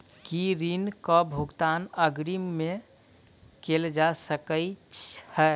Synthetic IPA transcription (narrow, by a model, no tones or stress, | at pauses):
kiɾinkɔbʱuɡt̪anəɡɾimmːẽ | keld͡ʒasəkət͡ʃhɛː